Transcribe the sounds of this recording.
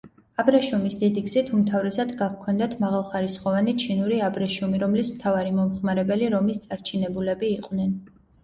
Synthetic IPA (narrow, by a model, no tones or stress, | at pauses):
abɾɛʃumisd̪id̪iɡz̥it̪ʰumt̪ʰavɾɛsad̪ɡakkʰɔnd̪at̪ʰmaʁalˠχaɾisχɔvanit͡ʃʰinuɾiabɾɛʃumiɾɔmlismt̪ʰavaɾimɔmχmaɾɛbɛliɾɔmist̪sʼaɾt͡ʃʰinɛbulɛbiːqʼvnɛn